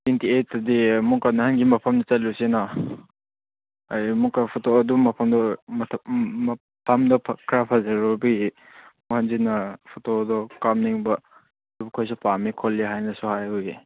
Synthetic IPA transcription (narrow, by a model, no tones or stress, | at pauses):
tintietːɐdimukanɐhanɡimɐpʰɐmdɐt͡ʃɐt̚lusena | amukɐpʰutoɐdumɐpʰɐmdɐmʰm | pʰamdɐpʰkɾapʰazɐɾobi | muhanziknɐpʰutodɔkamniŋbɐ | bukʰojs̬ipamikʰolːiɦajnɐsuhajhuji